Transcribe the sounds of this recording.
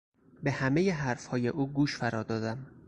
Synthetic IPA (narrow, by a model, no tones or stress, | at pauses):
be̞hæme̞jeɦæɾfhɒːje̞ʔuːɡuːʃfæɾɒːd̪ɒːd̪æm